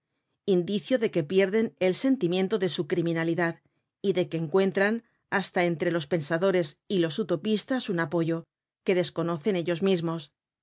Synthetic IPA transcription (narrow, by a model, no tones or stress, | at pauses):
ind̪iθjoðe̞ke̞pje̞ɾðe̞ne̞lse̞nt̪imje̞nt̪o̞ðe̞sukɾimĩnaliðað | iðe̞keːŋkwe̞nt̪ɾan | ast̪ae̞nt̪ɾe̞lo̞spe̞nsaðo̞ɾe̞silo̞sut̪o̞pist̪asunapo̞ʝo̞ | ke̞ðe̞sko̞no̞θe̞neʎo̞zmizmo̞s